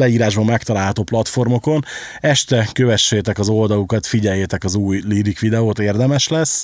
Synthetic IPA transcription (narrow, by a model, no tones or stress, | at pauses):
ɛiːɾaːʒbɒmːɛkt̪ɒlaːlɦɒt̪oːplɒt̪fo̞rmo̞ko̞nɛʃt̪ɛkø̞vɛʃːeːt̪ɛkɒzo̞ld̪ɒlukɒt̪fiɟɛjːeːt̪ɛkɒzuːjliɾikʋid̪ɛoːt̪eːrd̪ɛmɛʃlɛsː